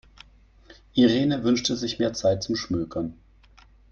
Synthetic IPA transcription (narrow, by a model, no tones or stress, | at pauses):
ʔiʁeːnəvʏnʃtəzɪçmeːɐt͡saɪt̚t͡sʊmʃmøːkʰɐn